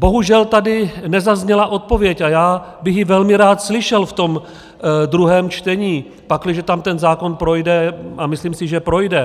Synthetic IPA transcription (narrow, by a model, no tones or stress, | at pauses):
bo̞ɦuʒɛlt̪adɪnɛzazɲɛlaʔo̞t̪̚povjɛcajaːbɪxjɪvɛlmɪɾaːt̪slɪʃɛlft̪o̞m | d̪ɾuɦɛːmt͡ʃt̪ɛɲiː | paklɪʒɛt̪amt̪ɛnzaːko̞npɾo̞jdɛamɪsliːmsɪʒɛpɾo̞jdɛ